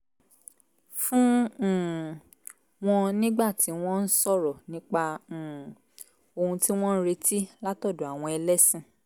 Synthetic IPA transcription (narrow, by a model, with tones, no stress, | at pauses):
fũ˦˨ | w̃ɔ̃˧nĩ˦ɡ͡ba˦˨ti˨˦w̃ɔ̃˦n̩˦sɔ˦˨ɾɔ˨nĩ˦k͡pã˧˨ | o˧hũ˧ti˦w̃ɔ̃˦n̩˦ɾe˧˦ti˦la˦tɔ˦˨do˨a˨w̃ɔ̃˧ɛ˧lɛ˦sĩ˦˨